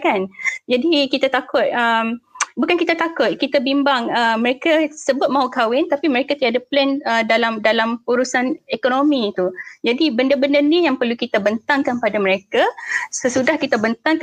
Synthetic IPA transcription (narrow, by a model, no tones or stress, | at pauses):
kand͡ʒadikit̪at̪akʊt̪̚əmbukankit̪at̪akʊt̪̚kit̪abimbaŋəmə̃ɾekasəbʊt̪̚mãɦukawɪnt̪apiməɾekat̪iadaplɛnədalamdalamuɾusanekonomĩt̪ud͡ʒadibəndəbəndənijaŋpərlukit̪abənt̪aŋkanpadamə̃ɾekasəsudahkit̪abənt̪aŋk